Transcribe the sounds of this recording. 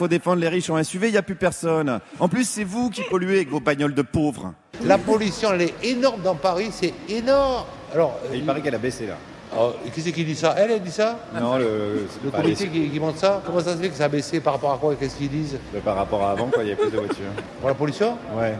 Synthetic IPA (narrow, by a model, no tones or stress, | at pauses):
fod̪efɑ̃d̪ʁleʁiʃɔ̃lɛsɥiveiljaplypɛʁsɔnɑ̃plysːɛvukʲipɔlɥeavɛkvobaɲɔld̪əpovʁ | lapɔlysjɔ̃ɛlɛenɔʁmd̪ɑ̃paʁisɛenɔʁm | alɔʁipaʁɛkɛlabesela̰ | ɔkis̬ɛkild̪isaʔɛlɛld̪isanɔ̃lələkpaɔmit̪ekikʲimɑ̃t̪sakɔmɑ̃sasəfɛkə̥saːbesepaʁːapɔʁakwakɛsə̥kild̪izbapaʁːapɔʁaːvɑ̃kwailavɛplyzd̪əvwat̪ʰy̰ʁpuʁlapɔlysjɔ̃wɛ